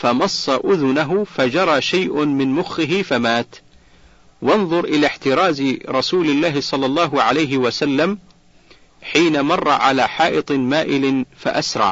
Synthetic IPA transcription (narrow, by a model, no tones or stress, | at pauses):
famɑsˤːɑʔʊðʊnaɦʊfad͡ʒɑɾˤɑːʃajʔʊmɪnmʊxːɪɦɪfamaːt̪ | wɑnðˤʊɾʔɪlaːħt̪ɪɾˤɑːzɾˤɑsuːlɪlːaːhɪsˤɑlːɑlˤːɑːɦʊʕalajɦɪwasalːam | ħiːnamɑrˤːɑ̰ʕalaːħɑːʔɨt̪ˤmaːʔɪlɪfa̰ʔasɾˤɑ̰ʕ